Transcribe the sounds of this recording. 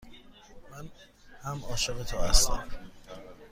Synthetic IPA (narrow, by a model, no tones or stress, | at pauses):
mæn | hæmɒːʃebet̪ʰoːæst̪æm